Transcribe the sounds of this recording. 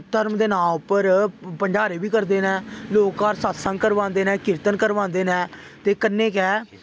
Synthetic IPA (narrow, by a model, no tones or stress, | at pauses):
t̪əɾmd̪eːnãːʊpːəɾpəɳd͡ʒaːɾeːbiːkəɾd̪eːnɛ̃ːloːkːaːɾsaːt̪sãːkəɾʋãːnd̪eːnɛ̃ːkɪɾt̪ənkəɾʋãːnd̪eːnɛ̃ː | t̪eːkənːẽːkɛː